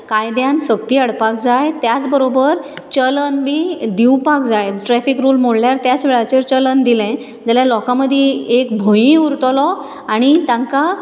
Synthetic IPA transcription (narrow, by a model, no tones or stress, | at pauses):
kajd̪jãnsəkt̪iːəɽpak̚d͡zajt̪jat͡sbəɾobəɾt͡ɕələnbiːd̪iw̃pak̚d͡zajʈɾɛfikɾuːlmoɽljaɾt̪jat͡sʋeɭat͡ɕeɾt͡ɕələnd̪ilɛ̃ | d͡zaljalɔkãməd̪ʱːjɛekbʱojĩuɾt̪lɔ | aɽ̃it̪ãŋka